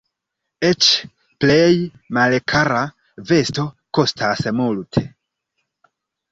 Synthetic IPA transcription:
et͡ʃ | plej | malkʰaɾa | ve̞sto̞ | ko̞stʰasmultʰe

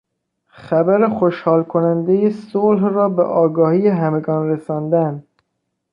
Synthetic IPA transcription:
χæbæɾexoʃhɒːlkʰonænd̪ejesolhrɒːbḛʔɒːɡɒːhiːjeɦæme̞ɡɒːnɾesɒːnd̪æn

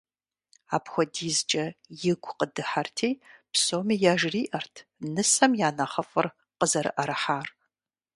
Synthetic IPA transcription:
a̰ːpxʷɔdiːzt͡ʃʼɐjɪɡʷʰʼqədɨħartʰiːpsoːmiːjaːʒriːʔɐrtʰnɨsɐmjaːnɐχɐfʼɨr | qəzɐɾɨ̰ʔɐɾɐħaːr

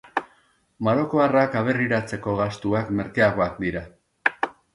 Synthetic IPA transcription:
maɾo̞ko̞arakaβe̞riɾat͡se̞ko̞ɣast̪uakme̞ɾkeaɣ̞o̞ak̚d̪iɾa

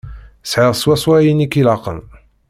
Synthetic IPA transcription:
sʕəʁswæswæjinikilaqə̰n

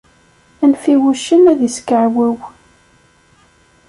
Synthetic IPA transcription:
ænfiwuʃənæðiskəʕwæw

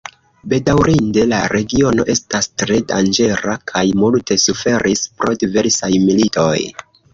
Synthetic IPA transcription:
be̞dawɾinde̞la̰ɾe̞ɡio̞no̞ʔe̞stastɾe̞da̰nd͡ʒe̞ɾakʰajmulte̞sufe̞ɾʔispɾo̞dive̞ɾsajmilito̞j

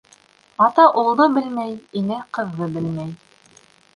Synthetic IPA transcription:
ɑt̪ɑʔulˠnɤbɘlmæjinɘqɤ̆ðːɤbɘ̆lmæj

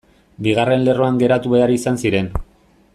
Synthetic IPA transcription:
biɣ̞are̞nle̞ro̞aŋɡe̞ɾat̪uβe̞aɾisansiɾe̞n

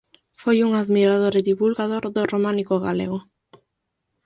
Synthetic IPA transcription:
fojuŋaðmiɾaðoɾɪðiβulɣaðoɾðoromãnikʊɣaleɣʊ

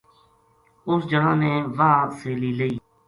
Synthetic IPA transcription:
ʊsd͡ʒəɦãːnẽːʋaːseːliːləiː

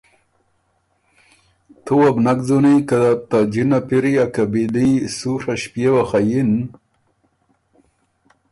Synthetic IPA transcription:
t̪ʰuwabnakzunikad̪at̪ad͡ʑinapiɾiakabilisuɾaɕpjewaxajin

